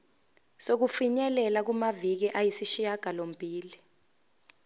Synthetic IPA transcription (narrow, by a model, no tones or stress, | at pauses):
sok̬ufiɲɛlɛlak̬umavik̬iʔajisiʃijaɡ̥ʱalom̩bʱiːli